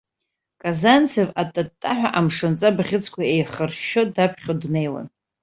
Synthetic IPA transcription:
kʼazant͡sʰevatʼatʼːaħʷᶣa̰ʔamʂɨnt͡sʼabʁʲɪt͡sʰʼkʷʰaejχərʃodapʰχʲodne̞jwa̰n

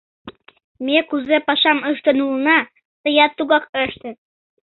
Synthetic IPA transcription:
mekuzepɑʃɑməʃt̪ənulnɑ | t̪əjɑt̪ːuɣɑkəʃt̪ət̪

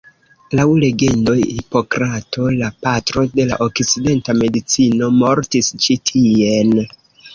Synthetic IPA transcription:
lawle̞ɡe̞ndo̞jhipo̞kɾatʰo̞lapatɾo̞de̞laʔo̞kt͡side̞ntame̞dit͡sino̞mo̞ɾtist͡ʃitʰie̞n

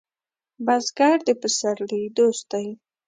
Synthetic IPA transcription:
bazɡaɾd̪əpəsaɾlid̪ost̪aj

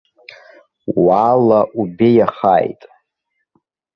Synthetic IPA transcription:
waːlaʔubejaχa̰ːjtʼ

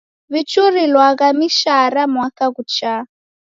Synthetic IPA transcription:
βit͡ʃuɾilwaɣamiʃaɾamwakaɣut͡ʃa

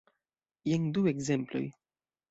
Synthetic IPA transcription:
jeŋd̪ueɡzemplo̰j

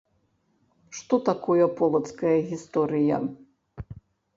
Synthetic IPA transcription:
ʂt̪ɔt̪akɔjɐpɔlˠɐt̪skɐjɐɣʲist̪ɔɾɨjɐ̰

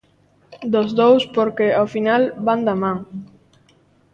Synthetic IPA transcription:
d̪ozðowspoɾkeafinalband̪amãŋ

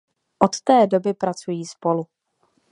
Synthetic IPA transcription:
ʔot̪t̪ɛːdo̞bɪpɾat͡sujiːspo̞lu

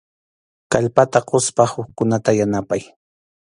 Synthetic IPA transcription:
kaʎpat̪aɢospahʊχkʊnat̪ajanapaj

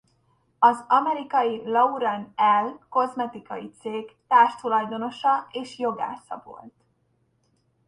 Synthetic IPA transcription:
ɒzɒmɛɾikɒjilɒuɾɒnɛlko̞zmɛt̪ikɒjit̪seːɡt̪aːrʃt̪ulɒjd̪o̞no̞ʃɒeːʃjo̞ɡa̰ːsɒ̰vo̞̰lt̪

